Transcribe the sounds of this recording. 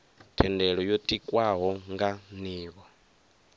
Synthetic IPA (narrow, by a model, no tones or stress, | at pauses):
tʰɛndɛɺɔjotʼikʼwaɦɔŋɡaniːβɔ